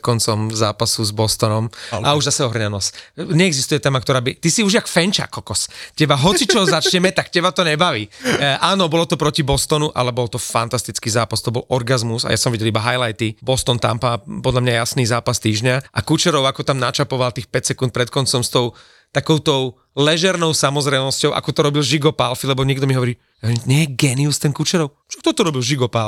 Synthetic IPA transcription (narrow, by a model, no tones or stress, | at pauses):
kɔnt͡sɔmzaːpasuzbɔst̪ɔnɔmauʒzasɛɔɦr̩ɲanɔsɲɛɛɡzist̪ujɛt̪ɛːmak̚t̪ɔɾaːbit̪isiuʒjakfɛnt͡ʃa̰kɔkɔscɛbaɦɔt͡sit͡ʃɔɦzat͡ʃɲɛmɛt̪akcɛbat̪ɔɲɛbaʋiːʔaːnɔbɔlɔt̪ɔpɾɔcibɔst̪ɔnuʔa̰lɛbɔlt̪ɔfant̪ast̪it͡skiːzaːpast̪ɔbɔlɔɾɡazmusa̰jasɔmʋiɟɛlibaɦajlajt̪ibɔst̪ɔnt̪a̰mpapɔd̪lamɲajjasniːzaːpast̪iːʒɲaʔakut͡ʃɛɾɔʊakɔt̪amnat͡ʃapɔʋalt̪iːxpɛcsɛkunt̪̚pɾɛt̪̚kɔnt͡sɔmst̪ɔʊ | t̪akɔʊt̪ɔʊ | lɛʒɛɾnɔʊsamɔzɾɛnɔscɔʊʔa̰kɔt̪ɔɾɔbilʒiɡɔpalfilɛbɔɲɪɛɡd̪ɔmiɦɔʋɔɾiː | aɲɛjɛɡɛːniust̪ɛnkut͡ʃɛɾɔʊ | t͡ʃɔkt̪ɔt̪ɔɾɔbilʒiɡɔpal